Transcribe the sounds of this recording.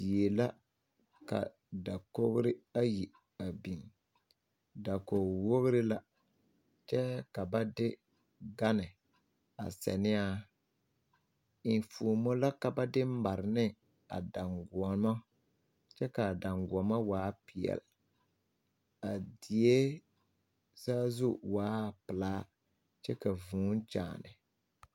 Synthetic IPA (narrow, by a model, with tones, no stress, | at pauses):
bi˨e˨la˦ | ka̰˨ | da˨ko˦ɣɾɪ˦a˦ji˨ | a˨bi˨n | da˨ko˨wo˦ɣɾɪ˦la˦ | t͡ʃɛ˦ka˨ba˦dɪ˦ | ɡa˦nɪ˨ | a̰˨sɛ̰˨nɪ˦a˦ | ɪ˨n˨fuː˨˦mo˦la˦ka˨ba˦dɪ˦m̩˦ba˨ɾɪ˨nɪ˦ | a̰˨da˨ŋɡɔ˨ma˦ | t͡ʃɛ˦ka˨da˨ŋɡu˨ɔ˨ma˦waː˨˦pi˨ɛ̰˨l | a˨dɪ˨e˦ | zaː˦zu˦waː˨˦˨pɪ˨laː˦ | t͡ʃɛ˦ka˨vũː˨˦n˦t͡ʃa̰ː˨nɪ̰˨